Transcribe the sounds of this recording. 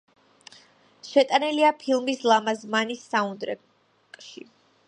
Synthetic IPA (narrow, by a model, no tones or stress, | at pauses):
ʃɛt̪ʼaniliapʰilˠmislˠamazmanisːaund̪ɾɛ̰ | kʼʃḭ